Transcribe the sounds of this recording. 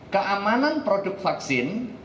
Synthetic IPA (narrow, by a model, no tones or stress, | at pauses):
kəʔamananpɾodʊk̚tfaksɪn